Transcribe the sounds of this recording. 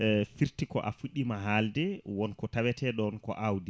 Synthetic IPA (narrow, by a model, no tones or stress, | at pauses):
fiɾtikɔ̰ʔa̰fuɗːimaɦaldɛwɔnkɔtawɛtɛɗɔnkɔ̰ʔawdi